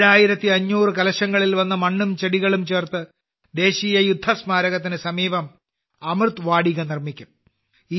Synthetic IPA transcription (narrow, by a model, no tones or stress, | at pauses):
ɻaːjiɾɐt̪ːiɐɲːuːrɨkɐlɐɕɐŋɡɐɭilʋɐnːɐmɐɳːumt͡ɕeɽiɣɐɭumt͡ɕe̞ːrt̪ɨ | d̪e̞ːɕiːjɐjud̪ʱːɐsmaːɾɐɣɐt̪̬ːinɨsɐmiːʋɐm | ɐmrɨt̪ʋaːɽiɣɐnirmikʲːum | i